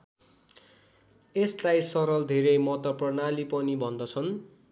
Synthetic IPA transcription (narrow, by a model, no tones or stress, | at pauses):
eslajsʌɾʌld̪ʱeɾejmʌt̪ʌprʌnalipʌnibʱʌnd̪ʌt͡sʰʌn